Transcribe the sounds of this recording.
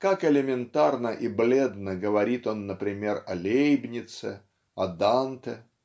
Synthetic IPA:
kakɪlʲɪmʲɪnt̪arnəʔɪblʲe̞d̪nəɡəvɐɾʲit̪o̞nːəpɾʲɪmʲe̞rɐlʲejbnʲɪt̪sɨ | ɐd̪ant̪ə

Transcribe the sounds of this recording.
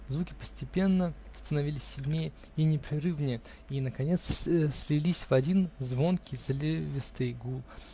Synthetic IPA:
zvukʲɪ̥pəsʲtʲɪpʲe̞nːəst̪ənɐvʲilʲɪsʲːɪlʲnʲejə | inʲɪpɾʲɪrɨvnʲɪjə | inəkɐnʲe̞t̪ssʲlʲɪlʲisʲvɐdʲinzvo̞nkʲizlʲevʲɪst̪ɨjɡulˠ

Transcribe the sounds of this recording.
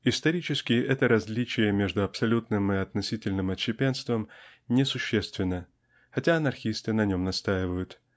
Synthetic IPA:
ɪst̪ɐɾʲit͡ɕɪskʲɪʔɛt̪əɾɐzʲlʲit͡ɕɪjəmʲe̞ʐd̪ʊɐpsɐlʲut̪nɨmɪɐt̪nɐsʲitʲɪlʲnɨmɐt͡ɕːɪpʲenst̪vəmnʲɪsʊɕːest̪vʲɪnːə | xɐtʲaɐnɐrxʲist̪ɨnɐnʲo̞mnɐst̪ajɪvəjʊt̪

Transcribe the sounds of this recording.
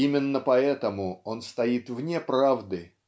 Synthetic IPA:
imʲɪnːəpɐɛt̪əmʊo̞nst̪ɐit̪vnʲepɾavd̪ɨ

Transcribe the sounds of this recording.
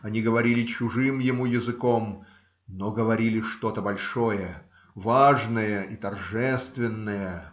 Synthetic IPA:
ɐnʲiɡəvɐɾʲilʲɪt͡ɕʊʐɨmjɪmujɪzɨkom | noɡəvɐɾʲilʲɪʂt̪o̞t̪əbɐlʲʂojə | vaʐnəjəʔit̪ɐrʐɛst̪vʲɪnːəjə

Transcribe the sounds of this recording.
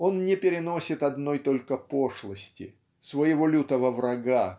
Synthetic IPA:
o̞nnʲɪpʲɪɾʲɪno̞sʲɪt̪ɐd̪no̞jt̪o̞lʲkəpoʂlˠəsʲtʲɪ̰ | svəjɪvolʲut̪əvəvrɐɡa

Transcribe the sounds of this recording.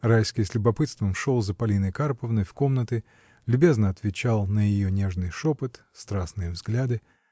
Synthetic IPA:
rajskʲɪjsʲlʲʊbɐpɨt̪st̪vəmʂolˠzəpɐlʲinəjkarpəvnəjfko̞mnət̪ɨ | lʲʊbʲe̞znəɐt̪vʲɪt͡ɕalˠnəjɪjonʲe̞ʐnɨjʂopɨt̪ | st̪ɾasnɨjəvzɡlʲad̪ɨ

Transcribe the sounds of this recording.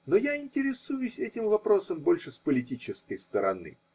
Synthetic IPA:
nojaɪnʲtʲɪɾʲɪsujʊsʲɛtʲɪmvɐpɾo̞səmbo̞lʲʂɨspəlʲɪtʲit͡ɕɪskəjst̪əɾɐ̰nɨ̰

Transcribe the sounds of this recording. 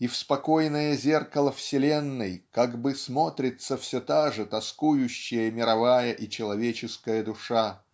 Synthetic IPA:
ifspɐkojnəjəzʲe̞rkəlˠəfsʲɪlʲenːɨjkaɡbɨsmo̞t̪ɾʲɪt̪səfsʲot̪aʐɨt̪ɐskujʊɕːɪjəmʲɪɾɐvajəʔit͡ɕɪlˠɐvʲet͡ɕɪskəjəd̪ʊʂa

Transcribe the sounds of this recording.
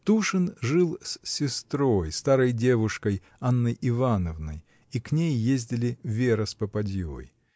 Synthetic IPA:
t̪uʂɨnʐɨlˠsʲsʲɪst̪ɾojst̪aɾəjdʲe̞vʊʂkəj | anːəjʔɪvanəvnə̰j | iknʲejːezʲdʲɪlʲɪvʲeɾəspəpɐdʲo̰ə̰j

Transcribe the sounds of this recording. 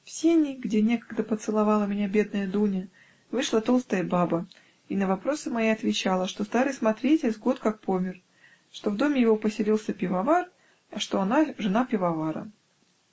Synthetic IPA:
fsʲenʲɪjɡdʲenʲe̞kə̥ɡd̪əpət̪sɨlˠɐvɑlˠəmʲɪnʲabʲe̞d̪̚nəjəd̪unʲə | vɨʂlˠət̪o̞lˠst̪əjəbabə | inəvɐpɾo̞sɨmɐjiɐt̪vʲɪt͡ɕalˠəʂt̪o̞st̪aɾɨjsmɐt̪ɾʲetʲɪzɡo̞t̪kak̚po̞mʲɪr | ʂt̪o̞vd̪o̞mʲɪjɪvo̞pəsʲɪlʲilˠsʲəpʲɪvɐvar | ɐʂt̪o̞ɐnaʐɨnapʲɪvɐvaɾə̰

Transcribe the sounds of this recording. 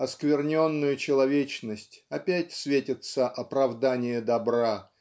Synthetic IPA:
ɐskvʲɪrnʲo̞nːʊjʊt͡ɕɪlˠɐvʲet͡ɕnəsʲtʲɐpʲætʲsvʲetʲɪt̪səʔɐpɾɐvd̪anʲɪjəd̪ɐbɾa

